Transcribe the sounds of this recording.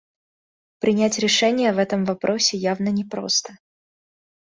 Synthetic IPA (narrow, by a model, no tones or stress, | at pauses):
pɾʲɪnʲætʲɾʲɪʂɛnʲɪjəvɛt̪əmvɐpɾʔo̞sʲɪjavnənʲɪpɾo̞̰st̪ə̥